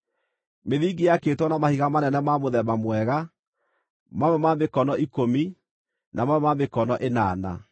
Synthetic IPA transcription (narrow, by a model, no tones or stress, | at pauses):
meðiːɡeakeːtwɔnamahiɣamanɛnɛmamoðɛmamwɛɣa | mawɛmamekɔnɔʔikomi | namawɛmamekɔnɔʔena̰ːna̰